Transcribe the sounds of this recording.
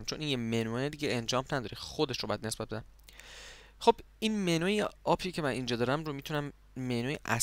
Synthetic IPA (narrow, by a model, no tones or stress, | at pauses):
mt͡ʃʰonʔinjemenued̪iɟeʔend͡ʒɒːmnæd̪ɒːɾixod̪eʃɾobɒjæd̪ne̞sbæt̪̚be̞d̪æm | xo̞b̥ | inmenuːjeɒpʰicʲʰe̞mænʔind͡ʒɒːd̪ɒːɾæmɾomit̪ʰunæmː | enuːjḛʔæ̰s